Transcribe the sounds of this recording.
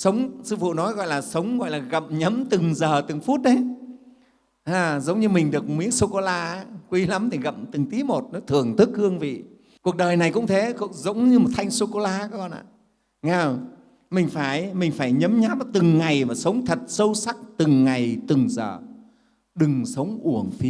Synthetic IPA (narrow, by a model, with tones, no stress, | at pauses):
sə˨˦wŋ͡msɨ˧fṵ˧˨nɔ˨˦jɣɔ̰˧˨jlaː˨˩sə˨˦wŋ͡mɣɔ̰˧˨jlaː˨˩ɣə̰˧˨mɲə˨˦mt̪ɨ˨˩ŋzəː˨˩t̪ɨ˨˩ŋfu˦˥t̚ɗə˨˦ | haː˧˩zə˨˦wŋ͡mɲɨ˧mï˨˩ŋ̟ɗɨ˨˩ək̚mi˨˦ənso˧ko˧laː˧˦kwi˨˧˦la˨˦mt̪ʰi˨˩ɣə̰˧˨mt̪ɨ˨˩ŋt̪i˨˦mo˨˩t̚nɔ˨˦jt̪ʰɨ˨˩əŋt̪ʰɨ˦˥k̚hɨ˧əŋvḭ˧˨ | ku˨˩ək̚ɗəː˨˩jna˨˩jkʊ̰˧˥ŋ͡mt̪ʰe˨˦kzə˨˦wŋ͡mɲɨ˧mo˨˩t̚t̪ʰa˧jŋ̟so˧ko˧laː˧ɔ˧˦kɔ˧nʔa̰ː˧˨ | ŋa˧˩w | mï˨˩ŋ̟faː˧˩jmï˨˩ŋ̟faː˧˩jɲə˨˦mɲaː˨˦˥p̚t̪ɨ˨˩ŋːa˨˩jmaː˨˩sə˨˦wŋ͡mt̪ʰə˨˩t̚sə˧wsa˦˥k̚t̪ɨ˨˩ŋːa˨˩jt̪ɨ˨˩ŋzəː˨˩ | ɗɨ˨˩ŋsə˨˦wŋ͡mʔu˧˩əŋfi˨˦